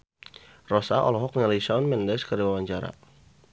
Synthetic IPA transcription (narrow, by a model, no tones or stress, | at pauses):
rɔsaʔɔ̰lɔɦɔk̚nalisanmɛndɛskərdiwawaɲt͡ʃaɾa̰